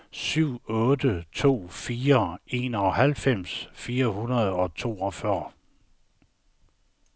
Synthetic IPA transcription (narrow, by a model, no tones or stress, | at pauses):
syʊ̰ɔ̽ːd̥ət͡sʰo̝̰ːfiːɐe̝̰ːnɒ̽hælfem̰sfiːɐhunɐðˠɒ̽t͡sʰo̝̰ːɒfɶɐ̰